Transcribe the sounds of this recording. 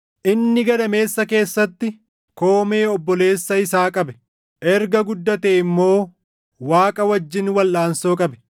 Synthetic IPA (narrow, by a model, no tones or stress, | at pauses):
ʔɪnːɪɡɐd̪ɐme̞ːsːɐke̞ːsːɐt̪ːɪ | ko̞ːme̞ːɔbːɔle̞ːsːɐɪsaːkʼɐbɛ | ʔɛɾɡɐɡʊd̪ːɐt̪eːɪmːo̞ː | waːkʼɐwɐd͡ʒːɪnwɐlːaːnso̞ːkʼɐbɛ̥